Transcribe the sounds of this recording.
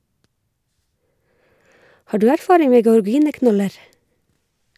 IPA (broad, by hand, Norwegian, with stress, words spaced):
ˈhɑː ˈɖʉː ˈæɾˌfɑːɾɪŋ ˈmeː ɡəɔɹˈɡiːnəˌknɔləɾ